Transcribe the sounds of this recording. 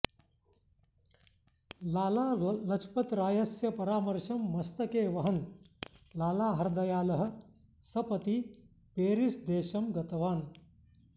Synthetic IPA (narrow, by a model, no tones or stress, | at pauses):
laːlaːlɐt͡ʃʰpɐt̪ɾaːjɐsjɐpɐɾaːmɐɾʃɐmːɐst̪ɐkeːʋɐɦɐn | laːlaːɦɐɾd̪ɐjaːlɐɦ̆ | sɐpɐt̪i | peːɾisd̪eːʃɐmɡɐt̪ɐʋaːn